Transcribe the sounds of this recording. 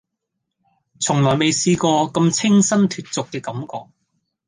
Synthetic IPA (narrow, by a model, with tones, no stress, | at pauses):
t͡sʰʊ˨˩ŋlɔː˨˩jme˨jsiː˧kɔː˧kɐ˧mt͡sʰɪ˥ŋsɐ˥nt̪ʰyː˨t̚t͡sʊ˨kːɛː˧kɐ˨˦mkɔ̰ː˨˧k̚